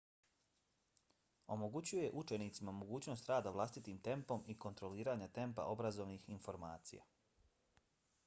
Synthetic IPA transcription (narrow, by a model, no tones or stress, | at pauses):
o̞moɡut͡ɕuje̞ʔut͡ʃe̞nit̪simamoɡuːt͡ɕno̞st̪ɾaːd̪aʋlˠast̪it̪iːmt̪e̞mpo̞miko̞nt̪ɾo̞liːɾaɲat̪e̞mpa̰ʔo̞bɾazo̞ʋnixinfo̞ɾma̰ːt̪sḭja̰